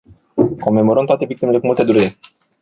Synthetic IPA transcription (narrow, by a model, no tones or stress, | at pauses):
komemoɾənt̪wat̪e̞bik̚t̪imelekumut̪ed̪uɾe